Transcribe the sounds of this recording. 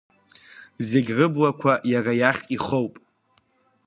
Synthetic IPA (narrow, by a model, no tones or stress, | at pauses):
zeɡʲrɨblakʷʰajarajaχʲiχowpʼ